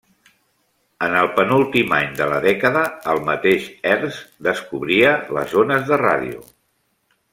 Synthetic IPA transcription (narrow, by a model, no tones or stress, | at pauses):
ənəlˠpənulˠt̪imaɲd̪ələ̰ðɛkəðəːlˠmət̪eʃɛɾzd̪əskuβɾiələ̰zonəzðəra̰ðḭṵ